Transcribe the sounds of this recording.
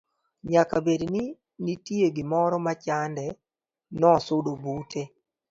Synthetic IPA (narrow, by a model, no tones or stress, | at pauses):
ɲakabedni | nitieɡɪmɔɾɔmat͡ʃandɛ | nɔsʊdobutʰe